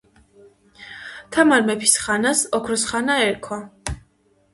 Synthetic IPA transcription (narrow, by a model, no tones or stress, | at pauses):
t̪ʰamaɾmɛpʰi̥sχanasɔkʰɾɔsχanaɛɾkʰwa